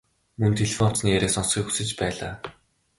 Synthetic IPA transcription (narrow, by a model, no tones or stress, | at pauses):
mɵnt̪ʰeɮefɔnɔ̥t͡sniːeɾʲeːsɔnsχiːkxu̥sɘ̆t͡ɕpæːɮaː